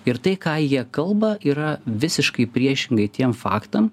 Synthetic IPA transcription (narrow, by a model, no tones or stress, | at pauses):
ɪɾt̪ɐɪkɑːjiɛkɐlˠbɐiːɾɐʋʲɪsʲɪʃkɐɪpʲɾʲiɛʃʲɪŋɡɐɪt̪ʲiɛmfɑ̰ːkt̪ɐm